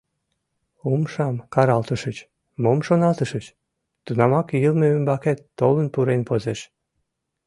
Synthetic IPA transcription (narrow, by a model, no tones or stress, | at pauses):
umʃɑmkɑɾɑlt̪əʃət͡ɕ | momʃonɑlt̪əʃət͡ɕ | t̪unɑmɑkilmeymbɑket̪ːolənpuɾenpozeʃ